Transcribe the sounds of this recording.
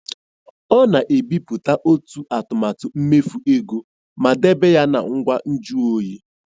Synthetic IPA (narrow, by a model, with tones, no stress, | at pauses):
ɔ˦na˨ʔe˨bi˦pu˨ta˦ʔo˦tu˦ʔa˨tʊ˨ma˨tʊ˨m̩˦me˦fu˨e˦ɡu˦ | ma˨de˦be˦ja˦na̰˨ŋ̩˦ɡʷa˦n̩˦d͡ʒu˦o˦ji˦